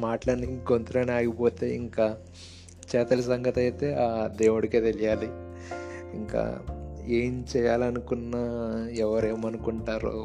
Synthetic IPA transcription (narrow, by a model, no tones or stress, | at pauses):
maːʈlɐniɡont̪ɐɾɐniaːɡipo̞ːt̪e̞̰ːiŋkaː | t͡ʃɛːt̪ɐlɐsɐŋɡɐt̪ɐjt̪e̞ːaːd̪eːwuɽikeːt̪elijaːli | iŋka̰ːeːmt͡ʃɛːjaːlɐnukunːaːɛʋɐɾe̞ːmɐnukuɳʈaːɾo̰ː